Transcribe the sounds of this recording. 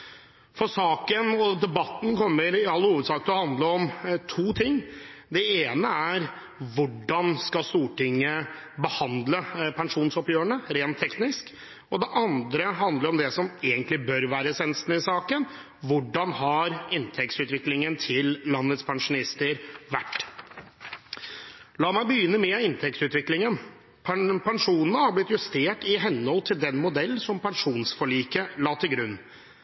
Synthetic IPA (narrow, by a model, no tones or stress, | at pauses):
fɔɾsɑːkənɔd̪ɛbɑt̪ːn̩kɔmːəɾɪɑlːhuːʋəd̪sɑːk̚t̪ɔhɑnd̪ləɔmt̪ʰuːt̪ʰɪŋː | d̪ɛeːnəæɾ | ʋʊɖɑnskɑst̪uːʈɪŋːə | bəhɑnd̪ləpʰɛŋʂuːnsɔpjøːəɳəɾeːnt̪ʰːɛknɪsk | ɔd̪ɛʔɑnd̪ɾəɦɑnd̪ləɾɔmd̪ɛsɔmeːɡənt̪lɪbœɾʋæːɾəsɛnəst̪nəɪsɑːkən | ʋʊɖɑnhɑɾɪnt̪ʰɛkt̪sʉːt̪ʋɪklɪŋənt̪ʰɪllːɑnːət̪spʰɑŋʂʊnɪst̪əɾʋæʈː | lɑːmæɪbəjʏnːəmɛɪnt̪ʰɛkt̪ʉːt̪ʋɪklɪŋən | ppɛŋʂuːnənəhɑblɪt̪jʉst̪eːʈɪɦɛnːhɔlt̪ʰɪld̪ɛnmʊd̪ɛlːsɔmpɛnʂuːnsfɔɭiːkəlɑːt̪ʰɪlɡɾʉnː